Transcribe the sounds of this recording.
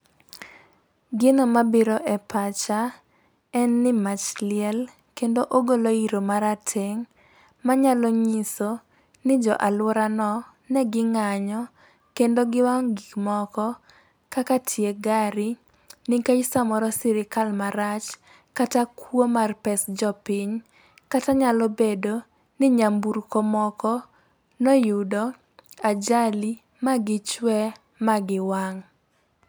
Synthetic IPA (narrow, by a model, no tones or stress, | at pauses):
ɡɪnɔmabɪɾɔʔɛpat͡ʃa | ɛnːɪmat͡ʃlɪɛl | kendoʔoɡoloiɾomaɾatʰeŋ | maɲaloɲiso | nɪd͡ʒɔʔalʊɾanɔ | nɛɡɪŋaɲɔ | kendoɡɪwaŋɡikmɔkɔ | kakatʰjeɡaɾɪ | nɪkaisamɔɾɔsɪɾɪkalmaɾat͡ʃ | katakwomarpɛsd͡ʒɔpɪɲ | kataɲalɔbedo | nɪɲambuɾkomɔkɔ | nɔjudɔ | ad͡ʒali | maɡɪt͡ʃwɛ | maɡɪwaŋ